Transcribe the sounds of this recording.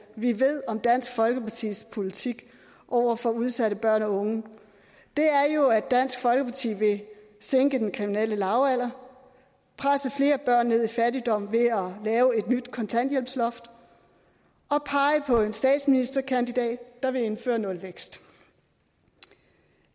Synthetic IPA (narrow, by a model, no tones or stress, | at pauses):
ʋiʋe̝ð̞̰ˠɒ̽md̥æn̰sɡ̥fɒ̽lɡ̥əpʰɑ̈t͡sʰḭːspʰo̝lit͡sʰiɡ̥ | ʔɒʊ̰ɐfɒ̽uð̞ˠsæɾəb̥ɶɐ̰nɒ̽ɔ̽ŋə | d̥e̝æɐjo̝æd̥æn̰sɡ̥fɒ̽lɡ̥əpʰɑ̈t͡sʰḭːʋe̝ | seŋɡ̥əd̥enkʰʁiminel̰əlɑ̈ʊæl̰ɐ | pʰʁasəfle̝ːɐb̥ɶɐ̰nːe̝ð̰ˠifæɾid̥ɒ̽m̰ʋe̝ælɛːʊe̝d̥nyd̥kʰɒ̽nt͡sʰæn̰d̥jel̰b̥slɒ̽fd̥ | ɒ̽pʰɑ̈ɪəpʰɒ̽e̝nsd̥ɛ̰ːd̥sminisd̥ɐkʰænd̥id̥ɛ̰ːd̥ːɑ̈ʋe̝e̝nfø̰ːɐnɔ̽lʋeɡ̥sd̥